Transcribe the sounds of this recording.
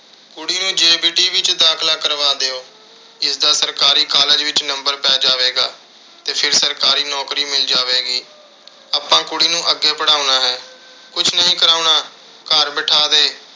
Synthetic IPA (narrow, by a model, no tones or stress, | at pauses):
kʊɽiːnũːd͡ʒeːbiːʈiːʋɪt͡ʃd̪aːkʰlaːkəɾʋaːd̪eːoː | ɪsd̪aːsəɾkaːɾiːkaːləd͡ʒʋɪt͡ʃnəmbəɾpɛːd͡ʒaːʋeːɡaː | t̪eːpʰɪɾsəɾkaːɾiːnɔːkɾiːmɪld͡ʒaːʋeːɡiː | aːpãːkʊɽiːnũːʔəɡːeːpəɽaːunaːɦɛː | kʊt͡ʃʰnəɦĩːkəɾaːʊnaː | kaːɾbɪʈʰaːd̪eː